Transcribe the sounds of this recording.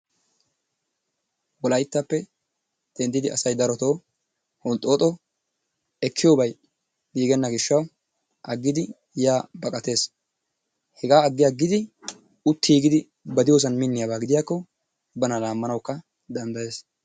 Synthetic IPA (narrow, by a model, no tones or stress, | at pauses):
wɔlɐjɪt̪ːɐpːɛ | d̪̥ɛnd̪ɪd̪ɪʔɐ̰sɐjd̪ɐɾɔt̪o̞ː | hɔnt̪ʼːo̞ːt̪ʼɔ | ɛkʰːɪjoːbɐj | ɡiːɡɛnːɐɡɪʃːɐw | ʔɐɡːɪd̪ɪ | jaːbɐkʼɐt̪e̞ːs | hɛɡaːɐɡːɪjaɡɪd̪ɪ | ʊt̪ːiːɡɪd̪ɪ | bɐd̪ɪjoːs̬ɐnmɪnːɪjabaːɡɪd̪ɪjaːkːɔ | bɐnɐlaːmːɐnɐwkːɐ | d̪ɐnd̪ɐje̞ːs